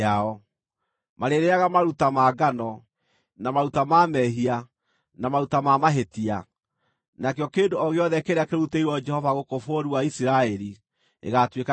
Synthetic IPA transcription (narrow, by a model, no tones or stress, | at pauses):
aɔ | maɾeɾeaɣamaɾutamaːɡanɔ | namaɾutamamɛɦia | namaɾutamamaɦetia | nakeɔkeːndoɔɣeɔðɛkeɾeakeɾuteiwɔd͡ʒɛhɔvaɣokofoɾuaisiɾaɛɾi | ḛɣatweka